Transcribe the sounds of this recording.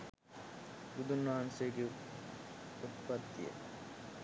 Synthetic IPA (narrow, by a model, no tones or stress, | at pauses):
ɡud̪unːaːnseːɡe | ut̪pɐd̪ːijḛ